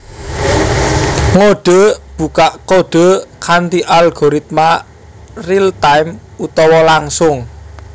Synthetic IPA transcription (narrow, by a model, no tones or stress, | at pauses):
ŋoɖ̥ə̤b̥ṳkaʔkoɖ̥ə̤kʰant̪iʔalɡ̥oɾit̪̚ma | rilt̪ajmut̪ɔwɔlaŋsʊŋ